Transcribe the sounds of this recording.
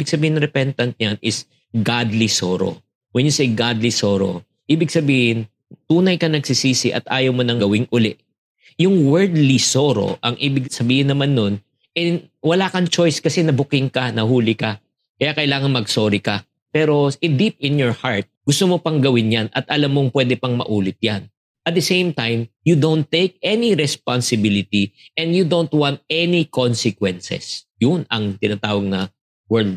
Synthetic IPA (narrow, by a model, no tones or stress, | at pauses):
ibɪɡ̥̚sɐbiːhɪnɾɛpɛnt̪ɐnt̪̚ɲanɪs | ɡad̪lisoːɾo̰ | wɛnjʊsɛjɡad̪lisoːɾo̞̰ | ʔiːbɪɡ̚sɐbiːhɪn | t̪uːnɐjkɐnɐɡsɪsiːsɪʔɐ̰t̪ʔaːjɐwmonɐŋɡɐwɪŋʔʊlɛʔ | jʊŋwɛɹd̪lisoːɾo̞̰ʔɐŋʔiːbɪɡsɐbiːhɪnːɐmanːo̞n | ʔɛ | wɐlaːkɐŋt͡ʃo̞jskɐsɛnɐbʊkɪŋkɐnɐɦuːlɪkɐ | kɐjakɐjlaːŋɐnŋmɐɡsoːɾɪkɐ | pɛːɾo̞ʔɪd̪ip̚ɪnjoɹhaɹt̪̚ɡʊst̪omopɐŋɡɐwɪnjanɐ̰t̪ʔɐlamːoŋpwɛːd̪ɛpɐŋmɐ̰ʔuːlɪt̪̚jan | ʔɐt̪̚d̪ɐsẽjmt̪ajmjud̪ownt̪ːejk̚ʔɛniɾɛspansɪbɪlɪt̪iʔɛ̃nd̪jud̪ownt̪̚wãnt̪̚ɛnikonsɪkwɛnsɛ̰sjʊnɐŋt̪ɪnaːt̪aːwɐɡ̚nɐ | wɛɹld̪̚